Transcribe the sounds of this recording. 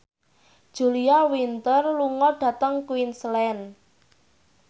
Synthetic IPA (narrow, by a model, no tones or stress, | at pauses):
d̥ʒ̥ṳliawint̪ərluŋɔɖ̥ä̤t̪əŋkwinslɛn